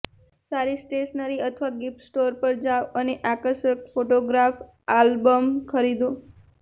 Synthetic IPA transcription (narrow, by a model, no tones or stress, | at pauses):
saɾisʈeʃnəɾiət̪ʰʋaɡɪpsʈoɾpəɾd͡ʒaʋəneʔakəɾʃəkfoʈoɡɾaf | albəmkʰəɾid̪o